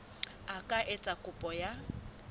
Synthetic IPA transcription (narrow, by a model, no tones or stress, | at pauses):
akʼaʔɪt͡sʼakʼʊpʼɔja